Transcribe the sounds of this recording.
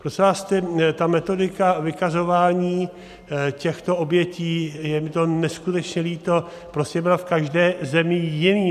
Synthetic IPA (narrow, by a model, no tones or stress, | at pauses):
pɾosɛvaːst̪ɛt̪amɛt̪o̞dɪkavɪkazo̞vaːɲiː | cɛxt̪o̞ʔobjɛciːjɛmɪt̪o̞nɛskut̪ɛt͡ʃɲɛliːt̪o̞ | pɾoscɛbɪlafkaʒdɛːzɛmɪjɪniː